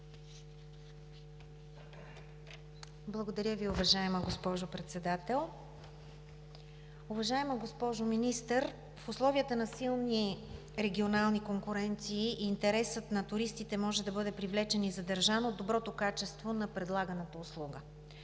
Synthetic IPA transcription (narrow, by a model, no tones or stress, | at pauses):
blˠəɡod̪ɐɾʲjəviʊvɐʒaɛməɡospɔʒopɾɛt̪sɛd̪at̪ɛlˠ | ʊvɐʒaɛməɡospɔʒominist̪əɾ | fʊslˠɔviət̪ənɐsilˠni | ɾɛɡʲionalˠnikoŋkʊɾɛnt̪siːʔːnt̪ɛɾɛsət̪nɐt̪ʊɾist̪it̪ɛmɔʒɛd̪ɐbɤd̪ɛpɾivlɛt͡ʃɛnizɐd̪ɐɾʒanod̪obɾɔt̪okat͡ʃɛst̪vonɐpɾɛd̪lˠaɡənət̪əʊslˠuɡə